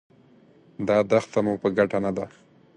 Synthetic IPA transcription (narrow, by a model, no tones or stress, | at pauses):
d̪ɑd̪axt̪amupəɡaʈanad̪a